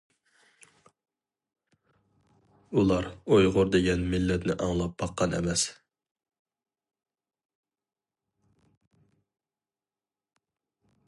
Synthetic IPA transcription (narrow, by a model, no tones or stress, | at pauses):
ulˠɑɾojʁʊɾd̪eɡʲɛnmilːɛt̪nɪʔɑŋlˠɑp̚bɑqːɑnʔɛ̰mɛs